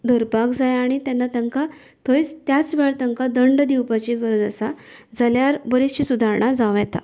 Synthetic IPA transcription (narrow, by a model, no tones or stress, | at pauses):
d̪əɾpaɡd͡zajaɽ̃it̪anːat̪əŋka | t̪ʰəjt͡st̪jat͡sʋaɾt̪əŋkad̪əɳɖd̪iwpat͡ɕiɡəɾəd̪əsad͡zaljaɾbəɾit͡ɕisud̪ʱaɾɳad͡zaʋjɛt̪a̰